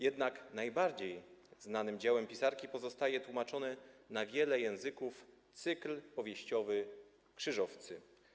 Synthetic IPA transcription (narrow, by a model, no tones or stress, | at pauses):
jɛd̪naknajbaɾd͡ʑejznanɘmd͡ʑawɛmpʲisaɾkʲipɔzɔst̪ajɛt̪wumat͡ʂɔnɛnavʲjɛlɛjɛ̃w̃zɘkuf | t̪sɘklpɔvʲjeɕt͡ɕɔvɘ | kʂɘʐɔft̪sɘ